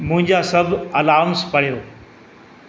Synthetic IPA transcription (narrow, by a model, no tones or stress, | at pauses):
mʊ̃ɦɪ̃ɲd͡ʑaːsɐbʱɐlaːmspɐɽijoː